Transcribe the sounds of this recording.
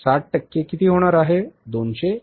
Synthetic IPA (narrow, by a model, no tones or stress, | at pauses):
saʈ̚ʈəkːekit̪iːɦoɽ̃aɾaɦed̪onɕe